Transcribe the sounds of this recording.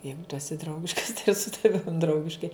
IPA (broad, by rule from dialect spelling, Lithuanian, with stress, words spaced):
ˈjɛɪɡʊ tʊ ɛˈsʲɪ ˈdrɐʊɡʲɪʃkɐs tɐɪ ɪr sʊ tɐˈʋʲɪm ˈdrɐʊɡʲɪʃkɐɪ